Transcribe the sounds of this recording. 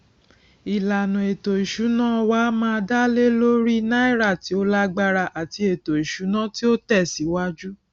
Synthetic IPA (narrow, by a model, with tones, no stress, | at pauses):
i˨la˨nũ˨e˨to˨i˨ʃu˨˦nãː˦wa˦mãː˧da˦le˦lo˦ɾi˦nã˦i˦˨ɾa˦˨ti˨˦o˦la˦ɡ͡ba˧ɾa˧ʔa˨ti˧e˨to˨i˨ʃu˨˦nã˦ti˦o˦tɛ˦˨si˨˦wa˦d͡ʒu˦